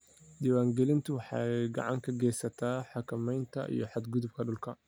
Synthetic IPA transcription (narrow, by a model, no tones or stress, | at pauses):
d̪iːwaːŋɡɛlɪnt̪ʰʊwɑħɑ̰ɡɑ̰ʕɑŋkʰɐɡɛːsɐt̪ʰaːħɑkʰɐmɛjnt̪ʰɐ̰ʔḭjɞħɑd̪ɡʊðʊb̚kʰɐɖʊlkʰɐ